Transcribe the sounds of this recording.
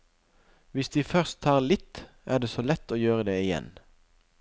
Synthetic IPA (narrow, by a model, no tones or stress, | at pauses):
ʋɪsd̪iːfœʁst̪ʰːɑːʁlɪt̪ | ʔæːʁd̪eːsoːlɛt̪ːoːjøːʁəd̪eːɪjɛ̰n